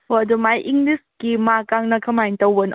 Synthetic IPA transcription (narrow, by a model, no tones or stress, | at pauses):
oɐdumajʔiŋɡliskimakaŋnɐkʰɐmajntɐwbɐn